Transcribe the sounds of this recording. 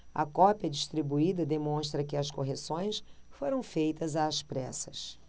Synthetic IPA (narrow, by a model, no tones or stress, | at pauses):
ɐ̰kɔpiɐd͡ʒiʃt̪ɾibuid̪ɐd̪emõʃt̪ɾɐkɪɐskoɦesõj̃sfoɾɐ̃w̃fejt̪ɐzaːspɾɛsɐ̥s